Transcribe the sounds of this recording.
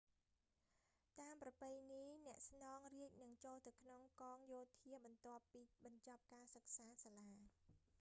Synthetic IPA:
t̪aːmprɑpɨjniːnɛ̆əʔsnɑːŋriəc̚nɨŋt͡ɕoːlt̪awkʰnoŋkɑːŋjoːt̪ʰiəɓɑnt̪ŏəpːiːɓɑɲt͡ɕɑp̚kaːsək̚saːsaːlaː

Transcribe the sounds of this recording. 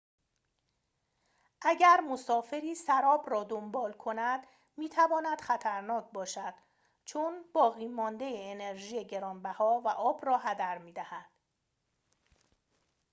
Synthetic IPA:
ʔæɟæɾmo̞sɒːfe̞ɾiːsæɾɒːbɾɒːd̪ombɒːlkʰo̞næd̪ | miːt̪ʰævɒːnæd̪̥xæt̪ʰæɾnɒːc̚ʰbɒːʃæd̪̥ | t͡ʃʰonb̥ɒːɣiːmɒːnd̪ejeːneɾʒiːjeɟe̞ɾɒːnbæhɒːvæʔɒːbrɒːɦæd̪æɾmiːd̪æhæd̪̥

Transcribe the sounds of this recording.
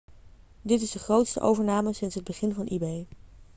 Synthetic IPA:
dɪtɪsdəχrowtstə̰ʔo̰wvəɹnaːməsɪnsɦəd̚bəχɪnvɑnʔibej

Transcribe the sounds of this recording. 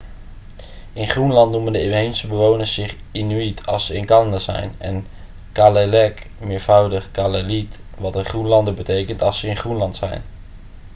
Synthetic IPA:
ɪnχrunlɑntnuməndəeejnsəbəʋownəɹsːɪχ | inyitʰɑ̰lˠsəɪnkɑləndəzɛ̰jnɛ̰n | kaːlelɛkmɪːɹv̥ʌwdəχkalelitʋɑtəχrunlɑndəbətejkəntɑlˠsəɪnχrunlɑntsɛ̰jn

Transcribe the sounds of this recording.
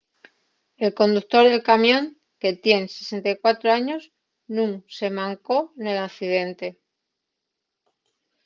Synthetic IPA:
e̞lko̞nd̪ukt̪o̞ɾðe̞lkamjõ̞ŋ | ke̞t̪je̞nse̞sent̪ajkwat̪ɾoaɲo̞s | nũŋse̞mãŋko̞ne̞lakθiðe̞nt̪e̞

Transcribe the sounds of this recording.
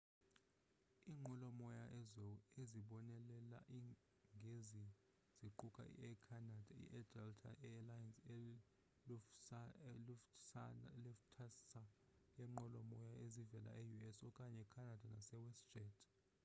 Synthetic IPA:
iːŋ͡ǃʱɔlɔmɔjaʔɛzɔeziɓɔnɛlɛla̰ʔi | ŋɡʱezi | z̥iǃukʼa̰ḭɛkʰanad̥ʱaḭʔɛdɛltʰa̰ɛalajansɛ | l | l | lɛftʰasajɛŋ͡ǃʱɔlɔmɔjaezivɛla̰ʔejuɛsɔkʼaɲɛkʰanad̥ʱanasɛwɛsd̥ʒ̥ɛdʰ

